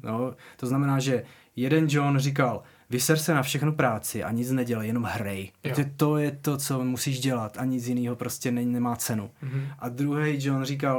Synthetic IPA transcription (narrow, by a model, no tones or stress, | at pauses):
not̪oznamɛnaːʒɛ | jɛdɛnd͡ʒonr̝ɪk̬al | vɪsɛɾsɛnafʃɛxnupɾaːt͡sɪʔa̰ɲɪt͡snɛɟɛlɛjɛno̞mɦɾɛj̪ɛt̪o̞jɛt̪o̞t͡somusiːʒɟɛlat̪ʔaɲɪt͡sjɪniːɦo̞pɾo̞scɛnɛnɛmaːt͡sɛnuʔad̪ɾuɦɛjd͡ʒonr̝ik̬al